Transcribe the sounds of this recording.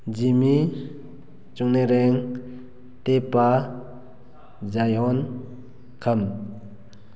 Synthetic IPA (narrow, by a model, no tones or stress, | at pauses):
d͡ʒimi | t͡ʃuŋneɾɛŋ | t̪epa | zajɔn | kʰəm